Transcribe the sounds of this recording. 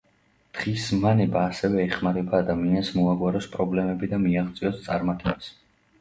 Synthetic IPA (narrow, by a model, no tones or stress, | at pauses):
d̪̥ʁismanɛbaːsɛvɛːχmaɾɛbaːd̪amiansmɔaɡwaɾɔspʼɾɔblɛmɛbid̪amiaʁt̪sʼiɔst̪sʼaɾmat̪ʰʼɛbas